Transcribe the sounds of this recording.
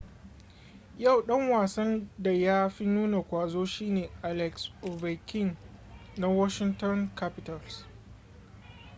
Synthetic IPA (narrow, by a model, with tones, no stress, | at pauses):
ja˦˨wɗɐ˦ŋwaː˨sɐ˦nda˨jaː˦ɸi˦nuː˦na˨kʷaː˨zoː˦ʃiː˦neː˨ʔa˨lɛ˨kso˨vɛ˨kʰɪ˦˨ŋna˦wɔ˦ʃɪ˦ntɔ˦nka˦pɪ˨˦ta˨ls